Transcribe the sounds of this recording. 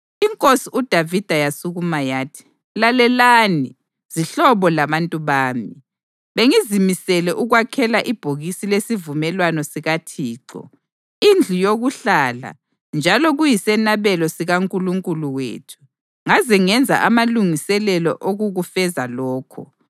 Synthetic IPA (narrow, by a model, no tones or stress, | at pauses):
iŋkʼosiud̥ʱavid̥ʱajasuɣumajaːtʰi̥ | lalɛlaːni | z̥iɬɔβɔlaβantʼuβaːmi | βeŋizimisɛlɛʔuɣwakʰɛlaʔib̥ʱoɣisilesivumɛlwanɔsiɣatʰiːǀɔ̰ | ind͡ɮʱujoɣuɬala̰ | nd͡ʒʱalɔɣujisɛnaβɛlɔsiɣaŋkʼuluŋkʼuluwḛːtʰu̥ | ŋaziŋɛnd͡zʱa̰ʔamaluŋisɛlɛlɔ̰ʔoɣuɣufɛzalɔːkʰɔ̰